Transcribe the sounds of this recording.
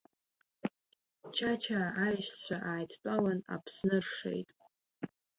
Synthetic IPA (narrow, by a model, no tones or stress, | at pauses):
t͡ʃʰat͡ʃʰaːjʃt͡sʷʰaʔaːjtʰt͡pʷʼawana̰pʰsnɨrʂe̞̰jtʼ